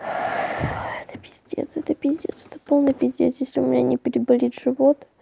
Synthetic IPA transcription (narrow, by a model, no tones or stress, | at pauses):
ɛt̪ə̥pʲɪzʲd̪ʲḛt̪sɛt̪əpʲɪzʲdʲḛt̪sɛt̪ə̥po̞lˠnɨjpʲɪzʲd̪ʲet̪sjesʲlʲɪʊmʲɪnʲa̰nʲɪpʲɪɾʲɪbɐlʲit̪ʐɨvot̪